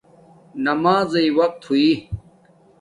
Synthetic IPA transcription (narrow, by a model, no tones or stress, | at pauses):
nɐmaːzɐiwɐq̚t̪ʰhui